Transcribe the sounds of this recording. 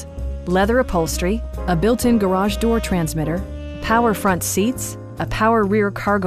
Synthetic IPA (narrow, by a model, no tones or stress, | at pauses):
lɛðə˞ɨpʰoʊlˠstɹ̥iəbɪlˠtʰɨ̃nɡə˞ɑʒdɔɹtʰɹ̥æ̃nzmɪɾə˞ | pʰaʊə˞fɹʌ̃ntsits | əpʰaʊə˞ɹɪɹkʰɑɹɡo